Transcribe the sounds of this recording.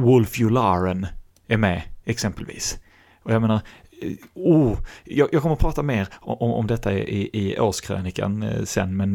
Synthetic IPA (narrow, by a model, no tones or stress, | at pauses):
wʊlfjʊlɑɾən | æɾmɛɛksɛmpəlvḭːs | ʔɔjaɡmeːnaɾ | uːjɑːjʔɑːɡkʰɔmːəɾɔpʰɾɑːt̪ameːɾɔɔmɔ̰md̪ɛt̪ːaɪʔɪɪoːʂkʰɾø̰ːnɪkə̰nsɛ̰nːmɛn